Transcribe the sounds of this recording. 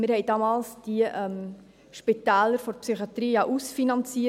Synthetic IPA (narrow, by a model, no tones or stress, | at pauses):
mɪɾhɛɪdɑmɑːlsd̥iʔɛm | ʃpit̪æːləɾfɔɾpsyχiɑt̪ɾiːjɑʔusfinɑnt͡siə